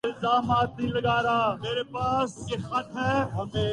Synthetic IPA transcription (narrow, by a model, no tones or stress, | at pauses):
ɪlzaːmaːt̪nĩləɡaːɾaːmeːɾepaːsexəʈ̪ɦɛːɦɐme